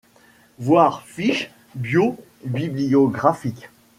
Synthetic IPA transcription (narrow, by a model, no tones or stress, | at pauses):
vwaːʁfiʃ | bjo | biblijɔɡʁafikʲ